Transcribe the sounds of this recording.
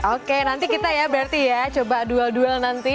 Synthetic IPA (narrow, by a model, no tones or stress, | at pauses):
okenant̪ikit̪ajabəart̪ijat͡ʃobadualdualnant̪i